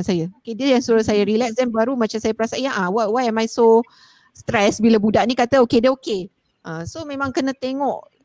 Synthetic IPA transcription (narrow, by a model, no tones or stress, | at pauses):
sajəokediəjaŋsuɾasajaɾilɛk̚sdɛnbaɾumat͡ʃamsajapəɾasaʔjaʔawawajɛmajso | st̪ɾɛsbilabudaʔnikat̪əokediəoke | ʔãsomẽmãŋkənãt̪eŋɔʔ